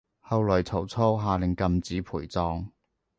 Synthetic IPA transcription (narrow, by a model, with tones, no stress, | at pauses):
hɐ˨˧wlɔː˨˩jt͡sʰɐ˨˩wt͡sʰɔː˥wɦaː˨˧lɪ˨˩ŋkɐ˨˧mt͡siː˨˥pʰuː˨˩jt͡sɔː˧ŋ